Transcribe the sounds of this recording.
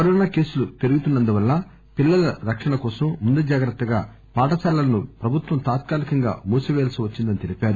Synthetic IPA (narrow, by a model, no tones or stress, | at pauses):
kɐɾɔːnaːke̞ːsulut̪eɾuɡut̪unːɐnd̪uʋɐlːɐ | pilːɐlɐɾɐkʂɐɳɐkɔːsɐmːund̪ed͡ʒaːɡɾɐt̪ːɐɡa̰ː | paːʈɐsaːlɐɐnupɾɐbʱut̪ʋɐmt̪aːt̪̚kaːlikɐŋɡa̰ːmuːsuʋeːlsiʋɐt͡ʃːind̪ɐnit̪eɾipaːɾu